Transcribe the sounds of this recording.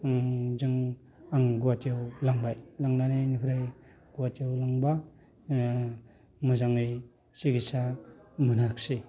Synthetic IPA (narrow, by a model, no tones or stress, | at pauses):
ŋzɯŋ | aŋɡuwatijawlaŋbajlaŋnanenipʰɾaj | ɡuwatijawlaŋba | mɯzaŋɯj | siɡisamɯnakse